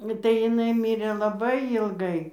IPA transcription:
tɐɪ jɪˈnɐɪ ˈmʲiːrʲeː lˠɐˈbɐɪ jiːlˠˈɡɐɪ

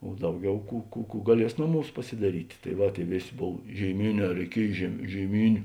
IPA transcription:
oː ˈdɐʊˌɡʲɛʊ ˈkuː kuː kuː ɡɐˈlʲiɛs ˈnoːˌmuːs pɐsʲɪdɐˈrʲiːtʲɪ tɐɪ ˈʋɐ ˈtʲeːɪ ˈʋʲeːˌsʲeː ˈboːw ʒʲeːɪˈmʲeːˌnʲɛː rʲɛɪˈkʲiɛj ʒʲeːɪ ʒʲeːɪˈmʲiːnʲʊ

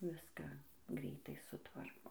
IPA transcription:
ˈʋʲɪskɑː ˈɡrʲɛɪtɐɪ sʊˈtʋɐrkoː

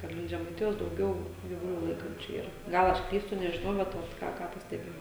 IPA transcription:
kɐt ˈlʲɪŋk ʒʲɛmɐɪˈtʲɪjoːs dɐʊˈɡʲɛʊ ɡʲiːʋʊˈlʲuː ˈlˠɐɪkɐnʲt͡ʃʲʊ ˈiːrɐ ˈɡɐlˠ ˈɐʃ ˈklʲiːstʊ nʲɛʒʲɪˈnɐʊ ˈbʲɛt ˈoːt ˈkɑː ˈkɑː pɐsʲtʲɛˈbʲeːjɛʊ

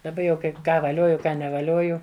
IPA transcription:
dɐˈbɐ jɛʊ ˈkɐɪp ˈkɑː ʋɐˈlʲoːjʊ ˈkɑː nʲɛʋɐˈlʲoːjʊ

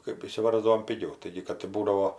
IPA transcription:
kɜp ɪʃʲsʲɪˈʋɐrzdɐʋoːm pʲɪˈɡʲɛʊ ˈtɐɪɡʲɪ kɐt ɪ ˈbuːdɐʋoː

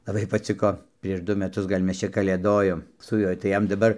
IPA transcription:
lˠɐˈbɐɪ pɐˈt͡sʲɪkoː pʲrʲiɛʃ ˈdʊ mʲɛˈtʊs ɡɐlʲ ˈmʲɛs ˈt͡ʃʲɛ kɐlʲeːˈdoːjoːm sʊ ˈjuɔj tɐɪ ˈjɛm dɐˈbɐr

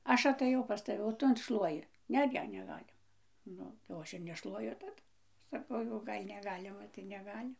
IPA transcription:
ˈɐʃ ɐtɐˈjɛʊ pɐs tɐˈʋʲɪ oː ˈtʊ ɐn ˈʃlˠuɔjɪ ˈnʲɛ ˈnʲɛ nʲɛˈɡɑːlʲɪmɐ ˈnʊ jɛʊ ˈɐʃ ɪr nʲɛˈʃlˠuɔjʊ tɐˈdʊ sɐˈkɐʊ jɛʊ ˈɡɐlʲ nʲɛˈɡɑːlʲɪmɐ tɐɪ nʲɛˈɡɑːlʲɪ

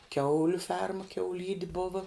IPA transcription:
ˈkʲɛʊlʲʊ ˈfʲɛrmɐ kʲɛʊˈlʲiːdʲɪ ˈboːʋɐ

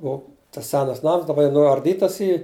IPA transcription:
ˈoː tɐs ˈsʲæːnɐs ˈnɐms dɐˈbɐ jɛʊ nʊɐrʲˈdʲiːtɐs ˈiː

